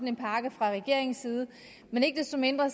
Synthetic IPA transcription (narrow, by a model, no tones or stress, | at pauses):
n̩enpʰɑ̈ːɡ̥əfʁɑ̈ʁɛɡ̥e̝ɐ̰e̝ŋn̩sːiːð̞ˠ | mene̝ɡ̥əd̥esd̥o̽mend̥ʁɐ